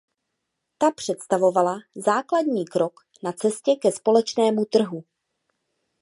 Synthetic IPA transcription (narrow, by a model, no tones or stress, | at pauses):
t̪apr̝̥ɛt̪st̪avo̞valazaːkladɲiːkɾo̞k | nat͡sɛscɛkɛspo̞lɛt͡ʃnɛːmut̪r̩ɦu